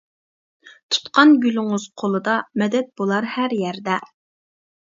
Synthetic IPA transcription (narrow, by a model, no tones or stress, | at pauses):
t̪ʰu̥t̪qʰɑnɡʲylɪŋʊz̥qʰolˠɨd̪ɑmɛd̪ɛt̪̚b̥olˠɑɾhæɾjɛɾd̪ɛ